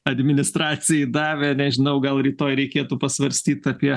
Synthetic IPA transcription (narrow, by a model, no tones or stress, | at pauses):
ɐd̪ʲmʲɪnʲɪst̪ɾɑːt͡sʲɪjɛɪd̪ɑːʋʲeːnʲɛʒʲɪnɐʊɡɐlˠɾʲiːt̪oːjɾʲɛɪkʲeːt̪uːpɐsʋɐɾʲsʲt̪ʲiːt̪ɐpʲiɛ